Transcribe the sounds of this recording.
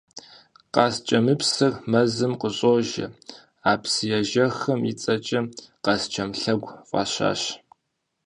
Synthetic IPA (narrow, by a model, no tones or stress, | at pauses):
qɑst͡ʃʼɐmɨpsɨrmɐzɨmqəɕʼoːʒɐ̰ | aːpsɨjɛʒɐxɐmit͡sʼɐt͡ʃʼɐqɑst͡ʃʰɐmɬɐɡʷqʷʼɑ̰ɕa̰ːɕ